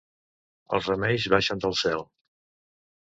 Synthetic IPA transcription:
ə̰lˠzrəmɛʎzβaʃənd̪əlˠsɛlˠ

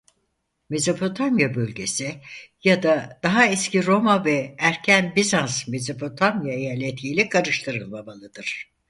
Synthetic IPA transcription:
mezapʰo̞t̪ʰamjabølʲɟe̞sijad̪ad̪̥aɦaɛsciɾo̞mavɛæɾcʰænbizansmezapʰo̞t̪ʰamjajalʲet̪ʰiːlʲikʰaɾɯʃt̪ʰɯɾɯlˠmabalˠɯd̪ɯɾ̥

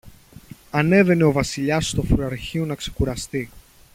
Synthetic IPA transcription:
ɐne̞ve̞ne̞o̞vɐsiʎɐst̪ofɾuɐɾçiunɐkse̞̥kuɾɐst̪i

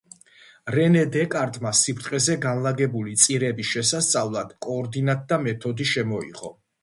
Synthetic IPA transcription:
ɾɛnɛd̪ɛkʼaɾt̪ʼmasipʰɾt̪ʼqʼɛzɛɡanlˠaɡɛbulit̪sʼiɾɛbiʃɛsast̪sʼavlˠad̪̥kʼɔːɾd̪inat̪̚d̪amɛt̪ʰɔd̪iʃɛmɔḭʁɔ̰

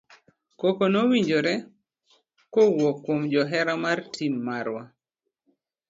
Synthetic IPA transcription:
kokonowiɲd͡ʒoɾɛ | kowɔkːwomd͡ʒɔɦɛɾamartʰimːaɾwa

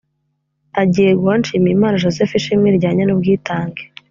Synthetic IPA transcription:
aɟijeɡoanʃiːmiimaːnaʒozefiʃimŋiɾɟaːɲanubɡiːtaːŋɡe

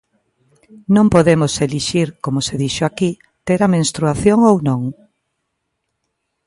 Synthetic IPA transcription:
nõmpoðemʊseliʃiɾkomʊseðiʃoaki | t̪eɾamẽnst̪ɾuaθjoŋownõŋ

